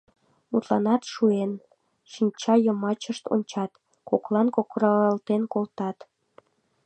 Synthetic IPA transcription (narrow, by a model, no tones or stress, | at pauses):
mut̪lɑnɑt̪ʃuen | ʃinʲt͡ɕɑjəmɑt͡ɕəʃt̪o̰nʲt͡ɕɑt̪ | koklɑnkokrəlt̪enkolt̪ɑt̪